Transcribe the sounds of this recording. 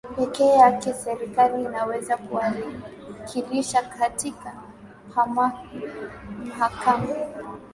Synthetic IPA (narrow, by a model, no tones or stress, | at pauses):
pɛkɛːjakɛsɛɾikaliːnawɛzakuali | kʰiliʃakatika | hama | m̩hakama